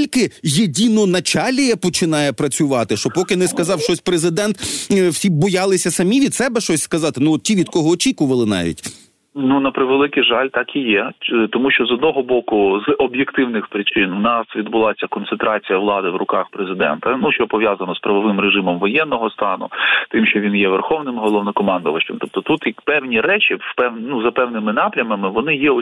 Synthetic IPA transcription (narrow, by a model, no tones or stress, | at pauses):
ilʲkɪjedʲinɔnɐt͡ʃɑlʲijɛpɔt͡ʃɪnɑjɛpɾɐt͡sʲʊʋɑt̪ɪʃt͡ʃɔpɔkɪnɪskɐzɑwʃt͡ʃɔsʲpɾezɪd̪ɛnt̪wsʲibɔjɑlˠɪsʲɐsɐmʲiʋʲid̪sɛbɛʃt͡ʃɔsʲskɐzɑt̪ɪnuɔt̪̚tʲiʋʲid̪kɔɦɔːt͡ʃikʊʋɐlˠɪnɑ̰ʋʲḭtʲ | nunɐpɾɪʋelˠɪkɪʒɑlʲt̪ɑkijɛt̪ɔmuʃt͡ʃɔzɔd̪nɔɦɔbɔkʊzɔbjekt̪ɪwnɪxpɾɪt͡ʃɪnʊnɑsʋʲid̪bʊlˠɑsʲɐkɔnsent̪ɾɑt͡sʲijɐʋlˠɑd̪ɪʋrʊkɑxpɾezɪd̪ɛ̰nt̪ɐnuʃt͡ʃɔpɔʋʲjazɐnɔspɾɐʋɔʋɪmreʒɪmɔmʋɔjɛnːɔɦɔst̪ɑnʊ̰t̪ɪmʃt͡ʃɔʋʲinjɛʋerxɔʋnɪmɦɔlˠɔʋnɔkɔmɑnd̪ʊʋɐt͡ʃɐ̰mt̪ɔp̚t̪ɔt̪ut̪jkpɛwnʲiɾɛt͡ʃipɛnuzɐpɛwnɪmɪnɑpɾʲɐmɐmɪʋɔnɪjɛɔ